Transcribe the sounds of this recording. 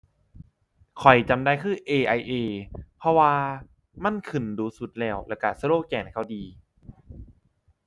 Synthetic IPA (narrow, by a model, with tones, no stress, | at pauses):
kʰɔ˨˩jt͡ɕa˧mdaː˧jkʰɯː˧˥˩ʔeː˧ʔa˧jʔeː˧pʰɔ˧waː˧ | ma˧˥˨nkʰɯ˨˩nduː˧su˨˧˩t̪̚lɛː˧˩wlɛ˧˩wka˧˩saː˧loː˥˩kɛː˧˩n˩kʰa˧˩wdiː˧